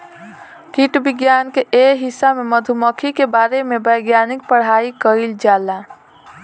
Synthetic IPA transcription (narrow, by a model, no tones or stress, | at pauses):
kiʈbɪɡjaːnkeʔeɦisːameməd̪ʱuməkʰikebaːɾemebəjɡjanik̚pəɽ̤aikəild͡ʒaːla